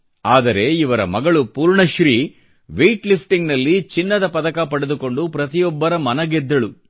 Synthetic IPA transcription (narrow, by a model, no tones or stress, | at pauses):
aːd̪ɐɾe̞iʋɐɾɐ̰mɐɡɐɭupuːɾɳɐʃɾiː | ʋejʈlipʰʈiŋɡnɐlːit͡ʃinːɐd̪ɐpɐd̪ɐkɐpɐɽed̪uko̞ɳɖupɾɐt̪ijɔbːɐɾɐmɐnɐɡɛd̪ːɐɭu